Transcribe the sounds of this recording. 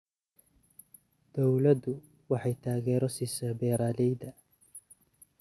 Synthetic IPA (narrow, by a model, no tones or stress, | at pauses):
d̪̥ɔwlɐd̪ʊ | wɑħɑjt̪ʰaːɣɛːɾɔsisaːbɛːɾaːlɛjd̪ɐ